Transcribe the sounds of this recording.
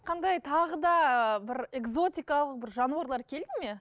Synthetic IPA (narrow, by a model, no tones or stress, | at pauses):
qʰɑnd̪ɑjt̪ʰɑʁəd̪ɑbɪɾe̞ɡzo̞t̪ijkɑlˠəq̚bɪɾʒɑnuɑɾlˠɑɾkʲʰe̞ld̪ɪme